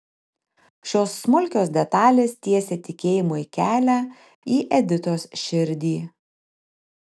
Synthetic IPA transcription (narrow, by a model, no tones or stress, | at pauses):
ʃʲoːsːmʊlʲkʲoːsd̪ʲɛt̪ɑːlʲeːst̪ʲiɛsʲɛt̪ʲɪkʲeːjɪmoːikʲæːlʲæː | iːʔɛd̪ʲɪt̪oːsʃʲɪɾʲd̪ʲiː